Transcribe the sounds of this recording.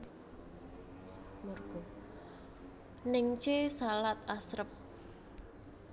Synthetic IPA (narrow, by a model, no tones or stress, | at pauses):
morɡ̥ɔ | nɪŋt͡ʃesalat̪asɾəp̚